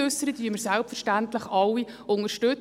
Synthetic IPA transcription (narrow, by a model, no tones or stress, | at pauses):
øsːəɾəd̪yːməɾsælˠpfərʃtænt̪ləχɑlːi | ʊŋəɾʃtɵ